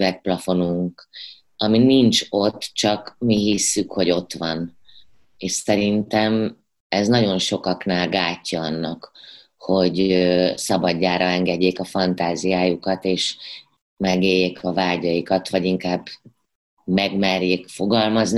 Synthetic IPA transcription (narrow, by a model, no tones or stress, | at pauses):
vɛk̚plɒfo̞nuŋk | ɒminint͡ʃo̞t̪ːt͡ʃɒkmiɦisːykho̞ɟo̞t̪ʋɒn | eːʃsɛɾint̪ɛm | ɛznɒɟo̞nʃo̞kɒknaːlɡaːcːɒɒnːɒk | ho̞ɟøsɒbɒɟːaːɾɒɛŋɡɛɟːeːkɒfɒnt̪aːzijaːjukɒt̪eːʃ | mɛɡeːjeːkɒvaːɟɒjikɒt̪ʋɒɟiŋkaːbː | mɛɡmɛrjeːkfo̞ɡɒlmɒzn